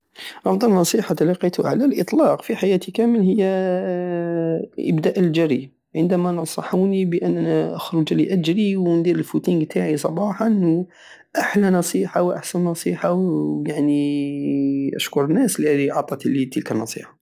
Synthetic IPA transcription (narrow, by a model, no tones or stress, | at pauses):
ʔɑfd̪ˤɑlnːɑsˤiħɑt̪ɑlɑqːit̪ʊʕalælʔət̪ˤlɑqfiħajæt̪ikæməlhəjːæ | ʔə̰bd̪æʔəld͡ʒæɾi | ʕənd̪æmænɑsˤɑħunibəʔənːʔænæʔəxɾʊd͡ʒliʔæd͡ʒɾiwnd̪iɾəlfut̪iŋt̪ʰaʕisˤɑbɑħɑʔnːʊ | ʔaħlænɑsˤiħawʔa̰ħsænːɑsˤiħajaʕni | ʔæ̰ʃkʊɾˤənːæsliæd̪iʕɑt̪ˤːɑt̪lːit̪əlkənːɑsˤḭħɑ̥